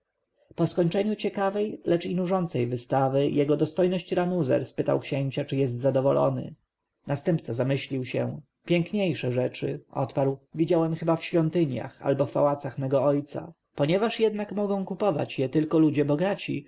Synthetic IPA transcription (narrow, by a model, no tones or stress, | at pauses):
pɔskɔɲt͡ʂɛɲut͡ɕɛkavɛjlɛt͡ʂinuʐɔnt̪sɛjvɘst̪avɘjʔɛɡɔd̪ɔst̪ɔjnɔɕt͡ɕɾanuzɛ̰ɾspɘt̪a̰wkɕeɲt͡ɕat͡ʂɘjɛst̪zad̪ɔvɔlɔ̰nɘ̰ | nast̪ɛmpt̪sɛzamɘɕlʲiwɕɛ̰ | pʲjɛŋkɲejʂɛʐɛt͡ʂɘ̰ʔɔ̰t̪paɾwvʲid͡ʑawɛmxɘbafɕfʲjɔnt̪ɘɲja̰xa̰lbɔfpawat̪saxmɛɡɔɔjt̪sa̰ | pɔɲɛvaʂjɛd̪nakmɔɡɔ̃w̃kupɔva̰t͡ɕjɛt̪ɘlkɔlud͡ʑɛbɔɡat͡ɕḭ